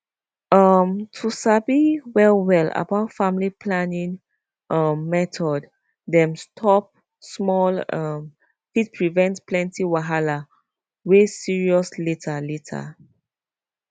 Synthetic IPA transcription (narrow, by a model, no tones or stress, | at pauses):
ʌmtʰusabiwɛlwɛla̰baʊtfamlipʰlanĩn | ʔʌmːɛtʰɔd | dɛ̃mstʰɔp̚ | smɔlʌm | fit̚pʰɹivɛ̃ntplɛ̃ntiwaɦala | wesiɹiɔsletʰaletʰa̰